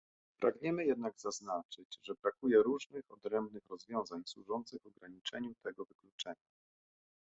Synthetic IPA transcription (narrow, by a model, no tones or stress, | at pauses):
pɾʔaɡɲɛmɘjɛd̪naɡzaznat͡ʂɘt͡ɕʐɛbɾakujɛɾuʐnɘxɔd̪ɾɛmbnɘxɾɔzvʲjɔ̃w̃zaɲswuʐɔnt̪sɘɣvɔɡɾaɲit͡ʂɛɲut̪ɛɡɔvɘklut͡ʂɛɲa